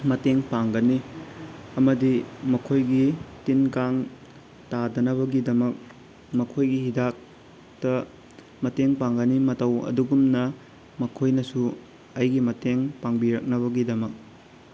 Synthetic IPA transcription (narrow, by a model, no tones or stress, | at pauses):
mɐteŋpaŋɡɐni | ɐmɐdimɐkʰojɡitinkaŋ | tadɐnɐβɐɡidɐmɐk̚ | mɐkʰojɡihidak̚ | tɐ | mɐteŋpaŋɡɐnimɐtɐwɐ̰duɡumnɐ | mɐkʰojnɐsu | ɐjɡimɐteŋpaŋbiɾɐk̚nɐβɐɡidɐmɐk̚